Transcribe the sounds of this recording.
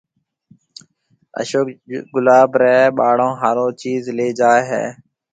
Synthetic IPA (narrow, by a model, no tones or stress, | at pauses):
ə̰ʃoːkɡʊlaːbɾɛːeɓaːɽõːɦaːɾõːt͡ʃiːzleːd͡ʒaːeɦḛː